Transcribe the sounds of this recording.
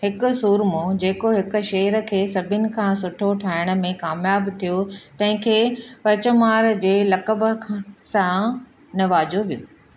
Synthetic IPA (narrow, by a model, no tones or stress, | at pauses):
ɦɪkʊ̆suːɾmod͡ʑeːkoɦɪkʊ̆ʃeːɦəɾkʰeːsɐbʱɪnɪ̆kʰãːsʊʈʰoʈʰaːɪɽ̃̆mẽkaːmjaːbt̪ʰijot̪ɐ̃ɦɪ̃kʰeːpɐt͡ɕəmaːɾd͡ʑeːlɐkəbə̆kʰsã | nɐʋaːd͡ʑoʋijoː